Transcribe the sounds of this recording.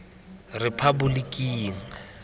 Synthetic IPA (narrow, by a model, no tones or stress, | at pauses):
rɪpʰabʊlikʼiːŋ̩